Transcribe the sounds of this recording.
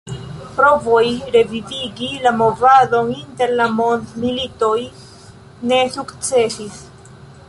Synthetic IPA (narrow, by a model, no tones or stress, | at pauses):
pɾo̞vo̞jɾe̞viviɡilamo̞vado̞ninte̞ɾlamo̞ndmilito̞j | ne̞sukt͡se̞sis